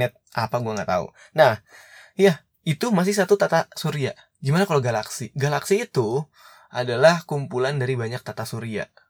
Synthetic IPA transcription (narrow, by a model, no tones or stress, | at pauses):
at̪̚ʔapaɡuaŋɡat̪a̰ṵ | nahjah | it̪umas̬ɪhs̬at̪ut̪at̪asuɾia | ɡimanakaloɡalaksiɡalaksiːt̪u | ʔadalahkumpulandaɾibaɲak̚t̪at̪asuɾia̰